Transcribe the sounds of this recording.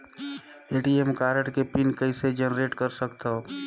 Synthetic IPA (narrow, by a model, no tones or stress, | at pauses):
eʈiemkaɾəʈkepinkəɪsed͡ʒenɾeʈkəɾsəkt̪ə